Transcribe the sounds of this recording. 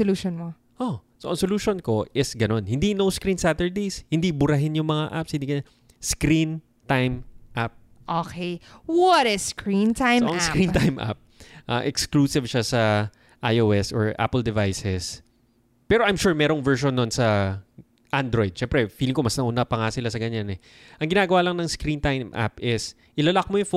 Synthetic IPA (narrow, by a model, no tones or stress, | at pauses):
sʊluːʃonmo | ʔosoʔɐŋsoluːʃonko̞ʔɪsɡɐno̞nhɪnd̪inowskɾinsat̪ɛɹd̪eshɪnd̪ibʊɾɐɦɪnjʊŋmɐŋaʔa̰pshɪnd̪ikɐnɐ | skɾin | t̪ajmʔap̚ | ʔoːkejwɔɾɛskɹint̪ajoɐskɾĩnt̪ajmʔa̰p̚ʔa̰ːʔɛkskluːsɪvʃasɐ | ʔajʔoːʔɛsɔɹʔa̰pɛld̪ɛvajsɛs | pɛːɾoʔajmʃuːɹmɛːɾo̞ŋvɛɹʃonːonsɐ | ʔand̪ɾojd̪̚ʃɛmpɾɛfiːlɪŋkomɐsnɐʔuːnɐpɐŋasɪlasɐɡɐɲanɛ | ʔɐŋɡɪnaːɡɐwaːlɐŋnɐŋskɾint̪ajmʔa̰pʔɪs | ʔɪlɐlɐk̚mojʊŋf